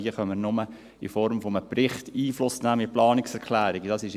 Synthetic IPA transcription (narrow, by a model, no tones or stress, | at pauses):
iəχœmːəɾnʊmə | ɪ̰fɔɾmfɔməprɪχtiːflʊsnæːmɪplɑːnɪksɛɾkʰlæːɾɪɡd̥ɑsɪʃ